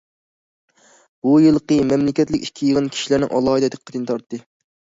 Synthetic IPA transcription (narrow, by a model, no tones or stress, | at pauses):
bujɨlˠqəmɛmlɪkʲɛt̪lɪkʲikʲʰːijəʁənkʲʰi̥ʃilæɾnɪ̰ŋʔɑ̰lˠɑːɦɨd̪ɛd̪ʰɨqʰːət̪ʰɨnt̪ʰɑɾt̪ːɨ